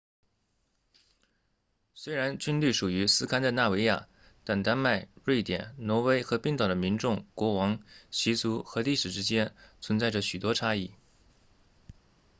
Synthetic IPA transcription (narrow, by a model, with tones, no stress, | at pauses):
swe˥ɪɻa˧˥nt͡ɕy˥nly˥˩ʂu˨˩y˧˥sɹ̩˥kʰa˥nd̪ə˧na˥˩we˧˥ɪja̰˥˩ | t̪a˥˩nt̪a˥nma˥˧ɪɻwe˥˩ɪt̪jɛ̰˨˩˦nnwɔ˧˥we˥ɪxɤ˧˥pi˥˩ŋt̪ɑ˨˩d̪ə˦mi˧˥nʈ͡ʂʊ˥˩ŋkwɔ˧˥wɑ˧˥ŋɕi˧˥t͡su˧˥xɤ˧˥li˥˩ʂɻ̩˨˩ʈ͡ʂɻ̩˥t͡ɕjɛ˥nt͡sʰwə˧˥nt͡sa˥˩ɪə˩ɕy˨˩t̪wɔ˥ʈ͡ʂʰa˥i˥˩